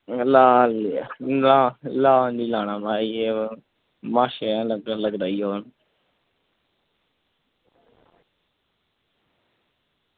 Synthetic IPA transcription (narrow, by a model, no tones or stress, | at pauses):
laːl | aːlaːnd͡ʒiːlaːnaːmaːieː | mãːʃẽːləɡaləɡd̪aːiːoːn